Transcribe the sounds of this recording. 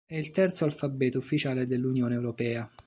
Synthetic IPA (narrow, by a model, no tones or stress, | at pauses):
ɛilt̪ɛrt̪soalfabːɛːt̪oufːit͡ʃaːled̪elːunjoːneːwɾopɛːa